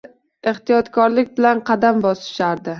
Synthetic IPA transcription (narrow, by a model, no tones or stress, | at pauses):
eht̪ijɒt̪kʰɒɾlɪk̚ʲbɪlanqʰɑd̪ambɒsɪ̥ʃaɾd̪ɪ